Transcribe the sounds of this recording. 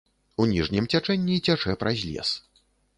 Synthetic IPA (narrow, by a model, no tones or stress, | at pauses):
unʲiʐnʲimt͡sʲat͡ʂɛnʲːit͡sʲat͡ʂɛpɾʔazʲlʲɛ̰s